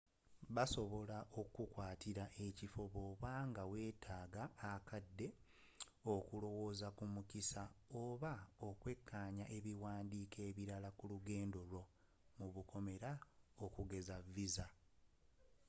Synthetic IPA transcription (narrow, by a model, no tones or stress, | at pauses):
βaso̞βo̞laʔo̞kukwaːtiɾaʔe̞cifo̞βoːβaŋɡawe̞ːtʰaːɡaːkadːe̞ | o̞kulo̞wo̞ːzakumukisaoːβaokwe̞kːaɲaʔe̞βiwaːndiːke̞ːβiɾalakuluɡe̞ːndo̞ɾo̞ | muβukʰo̞me̞ɾaokuɡe̞zavːiza